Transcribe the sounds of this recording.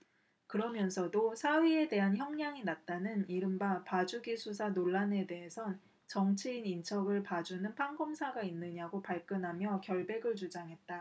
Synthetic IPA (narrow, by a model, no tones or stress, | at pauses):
kɯɾʌmjʌnsʰʌdosʰawiede̞ɦançjʌŋɲaŋinat̚t͈anɯniɾɯmbapad͡ʑuɡisʰusʰanoɭːane̞de̞ɦesʰʌn | t͡ɕʌŋt͡ɕʰeinint͡ɕʰʌɡɯɭpad͡ʑunɯnpʰaŋɡʌmsʰaɡainːɯɲaɡopaɭk͈jʌnɦamjʌkjʌɭbe̞ɡɯɭt͡ɕud͡ʑaŋɦe̞t̚t͈a